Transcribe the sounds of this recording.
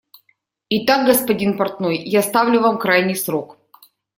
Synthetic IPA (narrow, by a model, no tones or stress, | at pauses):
ɪt̪aɡ̚ɡəspɐdʲinpɐrt̪nojjast̪avlʲʊvamkɾajnʲɪjsɾok